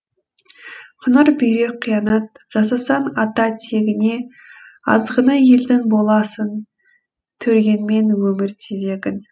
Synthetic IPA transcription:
qʰʊnəɾbʏjɾe̞qʰːijɑnɑt̪̚ | ʒ̥ɑsɑsɑnɑt̪ɑt̪ʰe̞ɡʲɪne̞ | ɑ̰zʁənɑje̞ld̪ɪŋbo̞lˠɑsən | t̪ʰɵɾɡʲe̞nme̞nwɵmɪɾt̪ʰeze̞ɡʲɪn

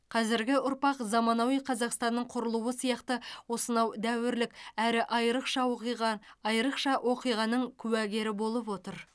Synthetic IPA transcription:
qʰɑzɪɾɡʲɪʊɾpɑqzɑmɑnɑwijqʰɑzɑqst̪ɑnːəɴqʰʊɾəlˠuwəsijɑqt̪əwo̞sənɑwd̪æwɪɾlɪkʲæɾɪʔɑjɾəqʃɑwoqijʁɑɑjɾəqʃɑʔwʔo̞qijʁɑnəɴkʲʰʉwæɡʲe̞ɾɪbo̞lˠəp̬wo̞t̪əɾ

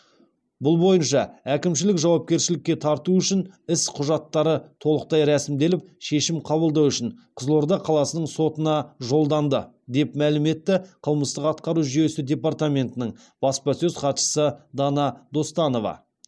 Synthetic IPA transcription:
bʊlˠbo̞jənʃɑækʲɪmʃ̬ɪlɪkʒɑwɑp̚kʲe̞ɾʃɪlɪkʲːe̞t̪ʰɑɾt̪uʏʃɪnɪsqʰʊʒɑt̪ːɑɾət̪ʰo̞lˠəq̚t̪ɑjɾæsɪmd̪e̞lɪp̚ʃe̞ʃɪmqʰɑβəlˠd̪ɑwʏʃɪnqʰəzlˠoɾd̪ɑqʰɑlˠɑsənəɴso̞t̪ənɑʒo̞lˠd̪ɑnd̪ə | d̪e̞pmælɪme̞t̪ːɪqʰəlˠməst̪əqɑt̪̚qɑɾuʒʏje̞sɪd̪ʲe̞part̪amʲe̞nt̪ənɪɴ | b̥ɑspɑsɵzqɑt̪ʃə̥səd̪ɑnɑd̪o̞st̪ɑno̞vɑ̰

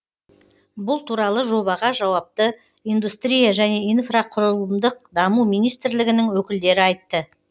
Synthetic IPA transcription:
bʊlˠt̪ʰuɾɑlˠəʒo̞βɑʁɑʒɑwɑp̚t̪ə | ijnd̪ust̪ɾijaʒæne̞infraqʰʊɾəlˠəmd̪əq̚d̪ɑmumijnijst̪ɾlɪɡʲɪnɪŋwɵkʲɪld̪e̞ɾɪɑjt̪ːə

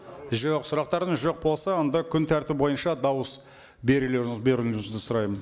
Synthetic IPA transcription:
ʒoqsʊɾɑq̚t̪ɑɾəɴʒo̞q̚bo̞lˠsɑond̪ɑkʲʰʏnt̪ʰæɾt̪ɪp̚bo̞jənʃɑd̪ɑwəs | be̞ɾɪleɾɪŋɪzbe̞ɾɪlɪzd̪ɪsʊɾɑjmən

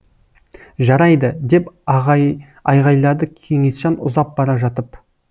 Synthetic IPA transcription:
ʒɑɾɑjd̪əd̪e̞pʁ | ɑjʁɑjlˠɑɾd̪əkʲʰe̞ŋe̞sʃɑnʊ̰zɑp̚bɑɾɑʒɑt̪əp

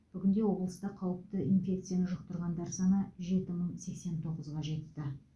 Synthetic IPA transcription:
b̥ʏɡʲɪnd̪e̞wo̞blˠəst̪ɑqʰɑwəp̚t̪əinfʲe̞kt̪sɨijanəʒʊqt̪əɾʁɑnd̪ɑɾsɑɴəʒe̞t̪ɪməɴse̞kse̞nt̪ʰo̞ʁəzʁɑʒe̞t̪ːɪ

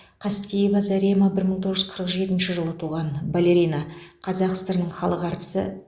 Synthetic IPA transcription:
qʰɑst̪ʲijevazaɾemabɪɾməɴt̪ʰo̞ʁəʒʏ̥zqʰəɾəqʒe̞t̪ɪnʃɪʒəlˠət̪ʰuʁɑnbalʲe̞ɾʲijnɑqʰɑzɑqst̪ɑɾnːəɴχɑlˠəqɑɾt̪ə̥sə̰

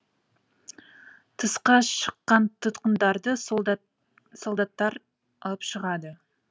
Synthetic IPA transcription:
t̪ʰəsqɑʃə̥qːɑnt̪ʰʊt̪qənd̪ɑɾd̪ə | solˠd̪ɑt̪ːɑɾ | ɑlˠəpʃəʁɑd̪ə

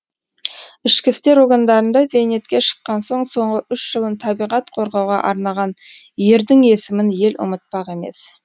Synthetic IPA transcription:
ɪʃkʲɪst̪e̞ɾoɾɡand̪ɑɾənd̪ɑze̞jne̞t̪kʲe̞ʃə̥qːɑnso̞ɴso̞ɴʁəʔʏʃʒ̥əlˠənt̪ʰɑbijʁɑt̪qʰo̞ɾʁɑwʁɑ̰ʔɑɾnɑʁɑn | je̞ɾd̪ɪŋe̞sɪmɪnje̞lʊ̰mət̪̚pɑqe̞me̞̰s

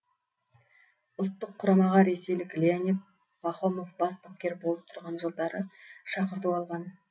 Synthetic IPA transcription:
ʊlˠt̪ːəqʰːʊɾɑmɑʁɑɾe̞se̞jlɪklʲeanʲit̪̚ | bɑχo̞mofbɑspɑp̚kʲːe̞ɾbo̞lˠəp̚t̪ʰʊɾʁɑnʒəlˠd̪ɑɾəʃɑqəɾt̪uɑlˠʁɑn

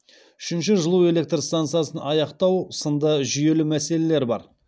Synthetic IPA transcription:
ʏ̥ʃɪnʃɪʒəlˠuwe̞le̞k̚t̪rst̪ant̪sɨjasənʔɑjɑqt̪ɑwsənd̪əʒʏje̞lɪmæse̞le̞le̞ɾbɑ̰ɾ

